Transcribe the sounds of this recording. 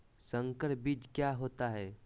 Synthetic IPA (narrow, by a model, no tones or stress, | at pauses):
sə̃ŋkəɾbiːd͡ʒkjaɦoːt̪aɦɛː